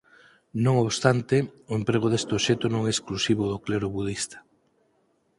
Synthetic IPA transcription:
nõŋoβst̪ant̪eoempɾeɣ̞oðest̪oʃet̪onõŋɛːsklusiβ̞ʊðokleɾʊβuð̞ist̪ḁ

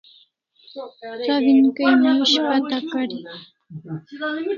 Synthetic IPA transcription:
t͡saβɪŋkajmɪaʃɢat̪akaɾɪ

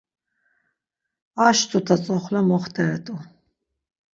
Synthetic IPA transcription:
aʃt̪ʰʼut̪ʰat͡sʼɔχlamɔχt̪ʰɛɾɛt̪ʼu

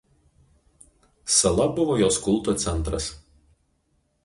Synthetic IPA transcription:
sɐlˠɐbʊʋoːjoːskʊlˠˑt̪oːt̪sʲɛnt̪ɾɐs

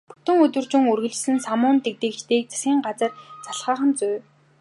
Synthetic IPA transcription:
pɵ̥t̪ɵ̆ŋɵt̪wɵ̆rt͡ɕɪ̆ŋɵrɣɘ̆ɮt͡ɕ̆sɘ̆nsamʊːnt̪ek̚t̪ɘ̆kt͡ɕt̪eːk̚t͡sʰḁsɡʲiːŋɢat͡sə̆rt͡sʰaɮχaːχə̆mt͡sʊː

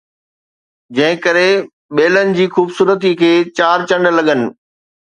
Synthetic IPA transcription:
d͡ʑɐ̃ɦɪ̃kəɾe | ɓeːlənɪ̆d͡ʑiːxuːbsuːɾət̪̬ikʰeːt͡ɕaːɾt͡ɕɐ̃ɳɖlɐɠənɪ̆

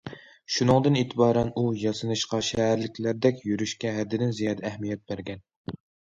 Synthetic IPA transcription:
ʃunɨŋd̪ɨnet̪ʰɪbɑːɾɛnujɑsɨnɨʃqɑʃɛɦæɾlɪkʲʰlæɾd̪ɛkʲjyɾyʃkʲɛɦɛd̪ːɪd̪ɪnzijɑːd̪ɛːhmijɛt̪̚bæɾɡʲɛn

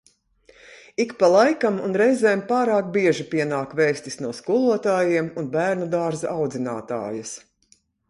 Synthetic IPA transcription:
ikpalˠajkamunɾɛjzɛːmpaːɾaːk̚biɛʒipʲiɛnaːkvɛːst̪isnuɔskulˠuɔt̪aːjiɛmunbæːɾnud̪aːɾzaʔawd̪zʲina̰ːt̪a̰ːjɐs

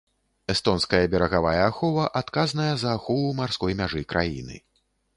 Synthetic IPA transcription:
ɛst̪ɔnskɐjɐbʲɛɾɐɣavajɐaxɔvɐʔat̪kaznɐjɐzɐːxɔvˠumarskɔjmʲaʐɨkɾʔajḭnɨ̰

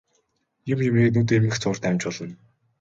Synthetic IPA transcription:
jʊmjɪmiːknuːt̪̬eːmɘ̆xt͡sʰʊːr̥t̪ʰææːm̥ʲt͡ɕpɔɮə̆n

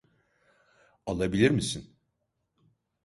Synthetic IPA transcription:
alˠabilʲiɾmisin

